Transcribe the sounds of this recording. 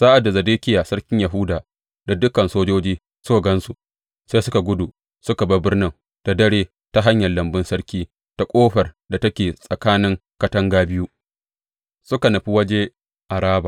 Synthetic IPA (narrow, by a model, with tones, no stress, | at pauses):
saː˦ʔa˨da˨zɐ˨deː˦kʲɪ˦jaː˨sɐ˦ɽkʲɪ˦ɲjɐ˨ɦʊ˦daː˨ | da˨dʊ˦kɐ˨nsoː˦d͡ʒoː˦d͡ʒiː˦ | sʊ˦ka˨ɡɐ˦nsu˨ | se˦sʊ˦ka˨ɡʷʊ˦du˨ | sʊ˦ka˨bɐ˦bɪ˦rnɪ˦ŋ | ta˨dɐ˦ɽeː˦ | ta˦ɦa˦ɲjɐ˨lːɐ˨mbɪ˦nsɐ˦ɽkʲiː˦ | ta˨kʷʼoː˦ɸɐ˨rda˨tɐ˦kʲeː˨sʼɐ˨kaː˦nɪ˦ŋkɐ˦tɐ˦ŋɡaː˦bɪ˦ju˦ | sʊ˦ka˨nɐ˨ɸi˦wɐ˦d͡ʒe˦ | ʔa˨ɾaː˦baː˨